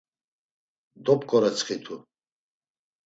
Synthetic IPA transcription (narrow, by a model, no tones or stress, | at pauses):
d̪ɔpʼkʼɔɾɛt͡sʰχit̪ʰu